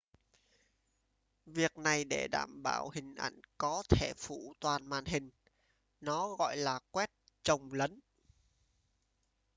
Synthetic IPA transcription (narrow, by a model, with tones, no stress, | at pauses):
vi˨˩ək̚na˨˩jɗe˧˩ɗa̰ː˧˩mɓa̰ː˧˩whï˨˩ŋ̟ʔa̰˧˩jŋ̟kɔ˨˦t̪ʰe˧˩fṵ˧˩t̪waː˨˩nma̰ː˧˨nɦï˨˩ŋ̟ | nɔ˨˦ɣɔ̰˧˨jlaː˨˩kwɛ˦˥t̚ | t͡ɕə˨˩wŋ͡mlə˨˦n